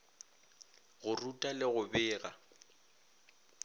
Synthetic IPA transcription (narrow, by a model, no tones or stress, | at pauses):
ɣʊrutʼalɪɣʊbɪːɣa̰